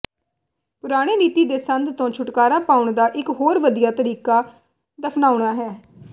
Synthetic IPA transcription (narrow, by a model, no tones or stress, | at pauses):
pʊɾaːɽ̃eːɾiːt̪iːd̪eːsənd̪t̪õːt͡ʃʰʊʈkaːɾaːpaːʊɳd̪aːʔɪkɦoːɾʋəd̪ijaːt̪əɾiːkaː | d̪əpʰnaːʊɳaːɦɛː